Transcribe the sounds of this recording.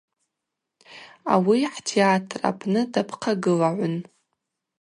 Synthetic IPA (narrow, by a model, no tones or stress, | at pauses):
a̰wiħtʰeatʰra̰pʰnɨdapʰqʰaɡɨlaʕʷʊn